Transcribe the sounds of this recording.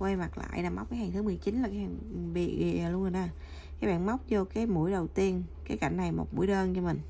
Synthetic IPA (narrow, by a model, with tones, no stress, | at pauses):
kwe˧ma˨˩k̚la̰ː˧˨jɗaː˨˩m˦˥wk͡p̚kːaː˨˦jhaː˨˩ŋt̪ɨ˨˦mɨ˨˩əjt͡ɕi˨˦nla˨˩kaː˨˦jha˨˩ŋɓḭ˧˨ḭː˧˨˩lu˧ə˧ho˨˧˩naː˨˧˩ | kkaː˨˦jɓa̰ː˧˨nma˦˥wk͡p̚zɔ˧kaː˨˦jmṵ˧˥əjɗə˨˩wt̪i˧ənkaː˨˦jka˧˩jŋ̟na˨˩jmo̰˨˩t̚mṵ˧˩əjɗəː˧nt͡ɕɔ˧mï˨˩ŋ̟